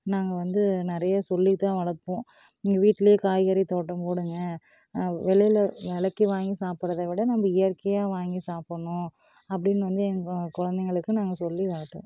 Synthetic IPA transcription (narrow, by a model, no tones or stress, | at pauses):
naːŋɡɐʋɐnd̪ɯnɪɾɐjɐsɔlːit̪ãːʋɐlɐɾpõː | niŋɡɐʋiːʈːɪlɐjeːkaːjɣɐɾit̪oːʈːɐ̃mpoːɽɯŋɡɐ | ʋɛɭɐjɪlɐʋɛɭɐkːiʋaːŋɡisaːpɪɾɐðɐʋɪɽɐnɐmːɐɪjɐɾkɐjaːʋaːŋɡisaːpɐɳʊ̃ | ɐpːɐɽɪnːʋɐnd̪ɯɛŋɡkɔɻɐnd̪ɛŋɡɐɭɯkːɯ̃naːŋɡɐsɔlːikaːʈːõ̰ː